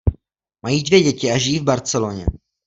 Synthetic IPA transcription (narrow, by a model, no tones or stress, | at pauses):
majiːdvjɛɟɛcɪaʒɪjiːvbaɾt͡sɛloɲɛ̰